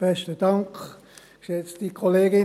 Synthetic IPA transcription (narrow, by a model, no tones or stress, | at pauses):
b̥ɛʃtəd̥ɑŋkχ | ʃɛt͡stikʰoleːɡɪ